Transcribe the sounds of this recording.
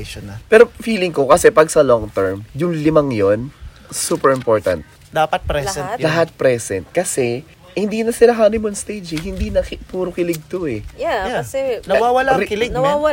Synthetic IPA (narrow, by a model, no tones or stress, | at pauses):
ʃonɐpɛːɾofiːlɪŋko̞kɐsɛpɐɡsɐloŋt̪ɛɹmjʊŋlɪmɐŋjon | suːpɛɹɪmpoɹt̪ɐ̰nt̪̚ | d̪aːpɐt̪̚pɾɛsɛnlɐɦat̪̚pɾɛsɛnt̪̚kɐsɛ | hɪ̃nd̪iːnɐsɪlɐkaːnɪmonst̪ejd͡ʒɛhɪnd̪iːnɐkpuːɾokɪlɪɡ̚t̪o̞ɛjajasɛnɐwawɐlakɪlɪɡ̚nwwɐ